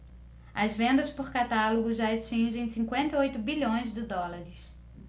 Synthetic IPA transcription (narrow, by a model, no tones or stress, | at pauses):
ɐzvẽnd̪ɐspʊɾkat̪aloɡʊʒaat͡ʃĩʒẽj̃sĩkwẽnt̪ɐeojt̪ʊbiʎõj̃zd͡ʒɪd̪ɔlaɾɪs